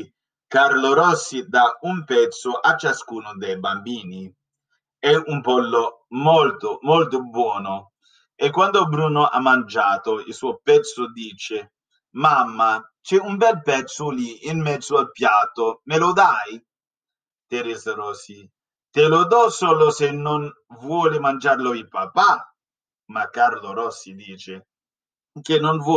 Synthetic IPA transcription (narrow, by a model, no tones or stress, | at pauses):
kaɾloɾɔsːid̪aumpɛt̪sʊʔat͡ʃːaskuːnʊd̪ɛjbambiːni | ɛumpɔlːo | mɔlt̪ʊmɔlt̪ʊbwɔːnʊ | ɛkːwand̪obɾuːnoʔa̰mːand͡ʒaːt̪oilsuɔpɛt̪sʊd̪iːt͡ʃe | mamːa | t͡ʃɛumbɛlpɛt̪sʊliːnmɛd̪zːoalpjat̪ːomelod̪aj | t̪eɾɛːzaɾɔsi | t̪elod̪ɔsɔlosenːon | vwɔːlɪmand͡ʒarloipapa | makːaɾloɾɔsːid̪iːt͡ʃe | k̟enːonvɔ